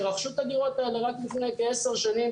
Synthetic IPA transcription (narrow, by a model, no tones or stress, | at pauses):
ʁaχʃut̪ad̪iʁo̞t̪aeleʁaklifnejkeese̞ʁʃanim